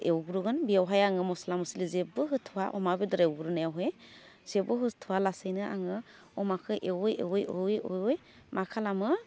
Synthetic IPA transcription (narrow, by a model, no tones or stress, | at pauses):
ewɡuɾuɡɯnbiawɦajaŋɯmɔsalamɯsilizebɯɦɯtʰuwaʔɔ̰mabedɔɾewɡuɾunajawɦej | z̥ebɯɦɯtʰuwalasɯjnɯʔa̰ŋɯ | ɔmakʰɯʔewjewjowjojɔj | makʰalamɯ